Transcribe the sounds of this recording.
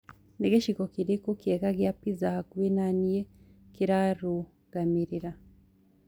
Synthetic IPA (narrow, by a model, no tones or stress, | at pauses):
neɡeʃikokiɾikukekaɡjapizahakwinanije | kiɾaɾu | ɡ̥amiɾiɾa